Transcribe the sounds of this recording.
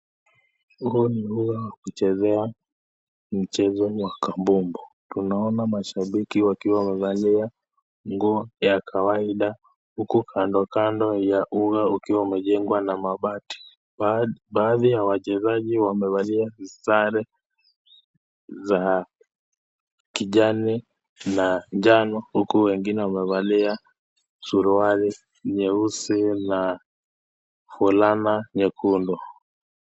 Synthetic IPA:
huːniluɣawakut͡ʃɛzɛa | m̩t͡ʃɛzɔwakambumbɔ | tunaɔnamaʃaɓikiwakiwamɛvalia | ŋɡuɔjakʰawaiɗa | hukukʰandɔkandɔjaʔuɣaukiwaumɛʄɛŋɡwanamaɓati̥ | ɓaːðijawat͡ʃɛzaʄiwamɛβaliasisaɾɛ | za | kiʄani | naɲd͡ʒanɔhukuwɛŋɡinɛwamɛβalia | suɾuaɾi | ɲɛusina | fulanaɲɛkʰundɔ

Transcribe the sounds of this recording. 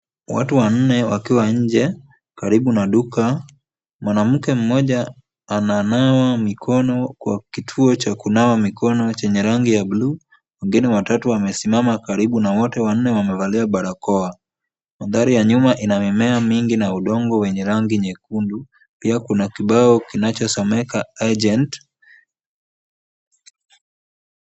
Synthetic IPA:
wa̰tuwan̩nɛwakiwaɲ̩d͡ʒɛ | kaɾiɓunaɗuka | mwanam̩kɛm̩mɔʄaː | nanawamikʰɔnɔkwa̰kitʰuɔt͡ʃakunawamikʰɔnɔt͡ʃɛɲɛɾaŋɡijabluː | wɛŋɡinɛwatatuwamɛsimamakaɾiɓunawɔtɛwan̩nːɛwamɛvaliaɓaɾakɔa | maðaɾijaɲumaʔinamimɛamiŋɡinauɗɔŋɡɔwɛɲɛɾaŋɡiɲɛkundu | piakunakiɓaɔkinat͡ʃɔsɔmɛkaad͡ʒɛnt

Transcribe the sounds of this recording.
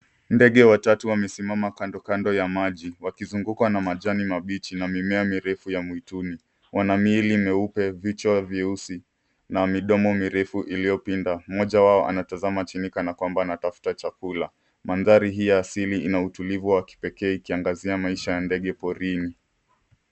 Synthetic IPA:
ndɛɠɛwatatuwamɛsimamakandɔkandɔjamaʄiwakizuŋɡukwanamaʄanimaɓit͡ʃinamimɛamiɾɛfujamuituni | wʔanamilimɛupɛvit͡ʃaviusi | namiɗɔmɔmiɾɛfuʔilijɔpindamɔʄawaɔʔa̰natazamat͡ʃinikanakwambanatafu̥tat͡ʃakula | manzaɾiɦijaːsiliinautulivuwaki̥pɛkɛːikiaŋɡaziamaiʃajandɛɠɛpɔɾini

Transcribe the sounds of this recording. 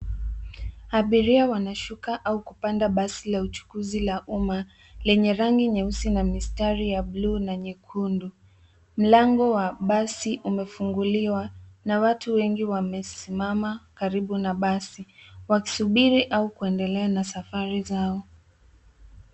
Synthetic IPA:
aɓiɾiawanaʃukaʔaukupandaɓasilaut͡ʃu̥kuzilaʔuma | lɛɲɛɾaŋɡiɲɛusinamistaɾijabluːnaɲikʰundu | m̩laŋɡɔwaɓasiʔumɛfuŋɡuliwanawatuwɛŋɡiwamɛsimamakaɾiɓunaɓasiwaki̥suɓiɾiʔaukuɛndɛlɛanasafaɾizaɔ

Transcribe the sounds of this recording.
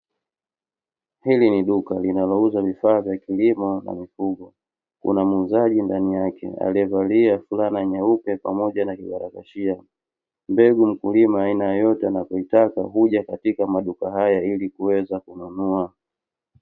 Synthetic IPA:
hiliniɗukalinalɔuzavifaːvjakilimɔna̰mifuɡɔ | kṵnamuuzaʄindanijakɛ̰a̰lɛvaliafulanaɲaupɛpamɔʄanakiɓaɾakaʃia | mbɛɡum̩kulimaːinajajɔtɛanapɔitaka̰ɦuʄakatikamaɗukaɦajailikuɛzakununua

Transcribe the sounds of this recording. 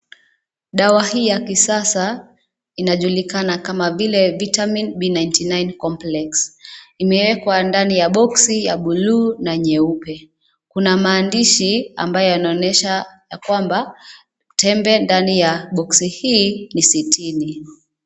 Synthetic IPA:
ɗawahiːjakisasa | inaʄulikanakamavilɛvitaminɓinajntinajnkɔmplɛksimɛwɛkwandanijaɓɔksijaɓuluːnaɲɛupɛ | kunamaːndiʃia̰mbajɔjanaɔnɛʃajakwamba | tʰɛmbɛndanijaɓɔksihiːnisitʰini

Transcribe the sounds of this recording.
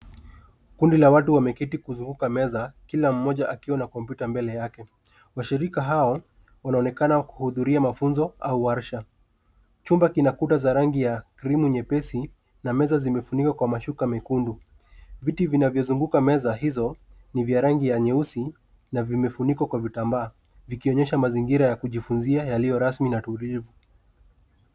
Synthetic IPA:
kundilawatuwamɛkitikuzuŋɡukamɛzakilam̩mɔʄaʔakiwanakɔmpjutambɛlɛjakɛ | waʃiɾikaɦaɔ | wanaɔnɛkanawku̥huðuɾiamafunzɔauaɾʃa | t͡ʃumbakinakutazaɾaŋɡijakɾimuɲɛpɛsi | namɛzazimɛfunikwakwamaʃukamɛkundu | vitivinavjɔzuŋɡukamɛzaɦizɔ | nivjaɾaŋɡijaɲɛusi | navimɛfunikwakwavitambaː | vikiɔɲɛʃamaziŋɡiɾajakuʄifunziajalijɔɾasminatulivu

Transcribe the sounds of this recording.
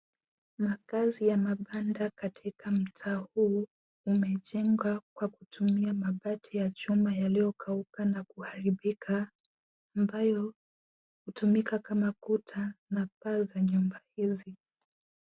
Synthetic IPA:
makazijamaɓandakatʰikʰam̩tʰaːhuː | mɛt͡ʃɛŋɡwakwakutʰumiamaɓatʰijat͡ʃumajalijɔkʰaukanakuhaɾiɓikʰaː | mbajɔ | hutumikakamakutʰanapazaɲumbahizi

